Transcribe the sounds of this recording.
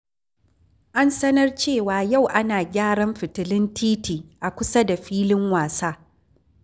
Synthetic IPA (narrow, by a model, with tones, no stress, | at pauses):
ʔa˦nsɐ˦nɐ˦rt͡ʃeː˦˨waː˨ja˦˨wʔa˦naː˨ɡʲaː˦ɽɐ˦mɸɪ˨tɪ˨lɪ˦ntiː˦tiː˨ʔa˨kʷʊ˦sɐ˦da˨ɸiː˦lɪ˦ŋwaː˨saː˦